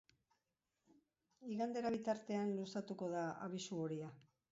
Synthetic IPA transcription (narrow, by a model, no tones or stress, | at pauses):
iɣand̪e̞ɾaβit̪aɾt̪e̞anlusat̪uko̞ðaa̰β̞isuoɾia